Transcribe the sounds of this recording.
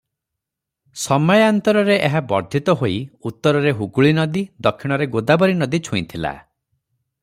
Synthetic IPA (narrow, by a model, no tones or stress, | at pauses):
sɔmɔjɔant̪ɔɾɔɾeʔeɦabɔɾd̪ʱit̪ɔɦoiut̪ːɔɾɔɾeɦuɡuɭinɔd̪id̪ɔkʰːiɽ̃ɔɾeɡod̪abɔɾinɔd̪it͡ʃʰuit̪ʰila̰